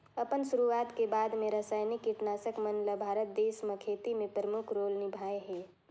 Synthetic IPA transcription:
əpənsuɾuat̪kebad̪meɾəsajnikːiʈnasəkmənləbʱaɾət̪̚d̪esməkʰet̪imẽpɾəmukʰɾolnɪbʱaeɦe

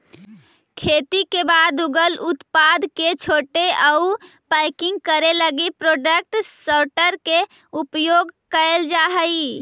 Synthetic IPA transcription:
kʰet̪ikebad̪uɡəlut̪pad̪ket͡ʃʰoʈeʔəu | pəjkɪ̃ŋɡ̚kəɾeləɡipɾoɖək̚ʈsəʈəɾke | upjoɡkəeld͡ʒaɦəi

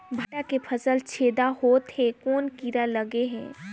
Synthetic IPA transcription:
bʱɐʈakepʰəsəlt͡ʃʰeːd̪ahoːt̪hɛ̃koːnkiɾaləɡeɦɛ̰̃ː

